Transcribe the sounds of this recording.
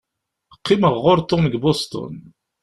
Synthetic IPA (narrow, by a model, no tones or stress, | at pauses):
əqːiməʁːʊɾt̪ːomɡbɔst̪ɔ̰n